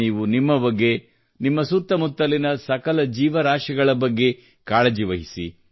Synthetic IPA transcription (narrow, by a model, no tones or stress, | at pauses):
iːʋunimːɐbɐɡːe̞ | nimːɐsut̪ːɐmut̪ːɐlinɐsɐkɐlɐd͡ʒiːʋɐɾaːʂɐɡɐɭɐbɐɡːe̞ | kaːɭɐd͡ʒiʋɐɦisḭ